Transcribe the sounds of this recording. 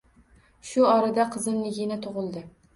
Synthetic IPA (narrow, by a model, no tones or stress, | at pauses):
ʃʊɒɾad̪aqʰɨzɨnlɪɡʲɪnɪt̪ʰʊʁɨlˠd̪ɪ